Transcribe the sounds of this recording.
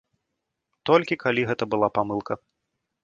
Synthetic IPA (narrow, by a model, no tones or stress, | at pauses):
t̪ɔlʲkʲikalʲiɣɛt̪ɐbɨlˠapamɨlˠkɐ